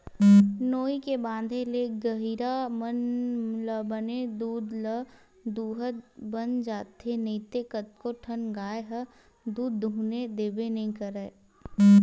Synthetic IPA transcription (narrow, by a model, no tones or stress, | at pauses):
noːikebãːd̪ʱeleːɡəɦiɾamənləbəned̪uːd̪lə | d̪uːɦəbənd͡ʒaːt̪eneɪt̪ekət̪̚koʈʰənɡaːeɦə | d̪uːd̪ːʱuːned̪eːbenɐɦĩkəɾeː